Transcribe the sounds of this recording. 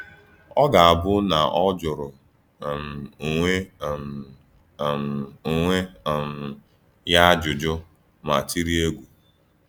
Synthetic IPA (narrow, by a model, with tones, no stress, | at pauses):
ɔ˦ɡa˨a˨bʊ˦na˨ʔɔ˦d͡ʒʊ˨ɾʊ˨ | m˨ŋʷe˦m | mu˨ŋʷe˦˨m˨ | ja˦d͡ʒʊ˨d͡ʒʊ˦ | ma˨ti˦ɾi˦e˦ɡʷu˨